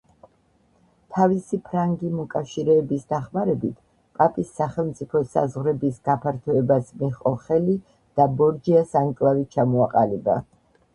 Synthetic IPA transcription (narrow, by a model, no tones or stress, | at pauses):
t̪ʰavisipʰɾaŋɡimɔkʼafʃiɾɛːbisd̪aχmaɾɛbit̪ʰ | pʼapʼisːaχɛlˠmt̪sʼipʰɔsa̰zʁɾɛbisɡapʰaɾt̪ʰɔɛbasmiχqʼɔχɛli | d̪̥abɔɾd͡ʒiasaŋkʼlavit͡ʃʰamɔaqʼaliba̰